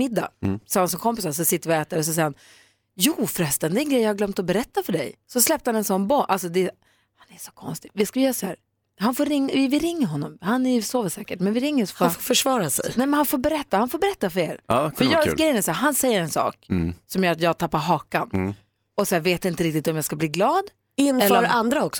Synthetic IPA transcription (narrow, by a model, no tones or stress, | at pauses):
mɪd̪ːa̰sɔhans̬ɔnkʰɔmp̬ɪsaɾs̬ɔsɪt̪ːəɾɔɛːt̪aɾɔs̬ɔsɛjhan | juːfɾɛst̪ənd̪ɛɛnɡɾɛjːjɑhaɡlœmt̪ɔbɛɾɛt̪ːafœɖɛ̰jsɔslɛpt̪əhanɛnsɔnːbɔʔalsɔd̪ɛ | hanɛʂɔ̥kʰɔnst̪ɪvɪskajœːɾsɔhæːɾ | hanfoːɾɾɪŋːaɪvɪɾɪŋːəɾɦɔnːɔmhanɛɾjʏsoːvəsɛːkəʈmɛnvɪɾɪŋːəsɔffafoːfœʂvɑːɾasɛ̰jnɛmɛnhanfoːɾbɛɾɛt̪ːahanfoːɾbɛɾɛt̪ːafœɾḛːɾfœɾjɑɡɾɛjːənɛsæːɾɦansɛjːəɾɛnsɑ̰ːksɔmjœːɾat̪jɑːɡ̚t̪ʰapːaɾɦɑːkan | ɔsɔhæːɾveːt̪ɪnt̪əɾɪk̚t̪ɪt̪ɔmjɑːskabliːɡlɑːd̪ | ɪnːɛləɾɾand̪ɾaɔksɔ̥